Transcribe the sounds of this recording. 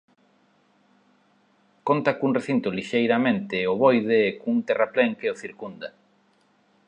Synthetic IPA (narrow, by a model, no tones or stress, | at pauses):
kont̪akuŋreθint̪ʊliʃejɾamẽnt̪ɪoβojðeːkuŋt̪erapleŋkeoθiɾkund̪a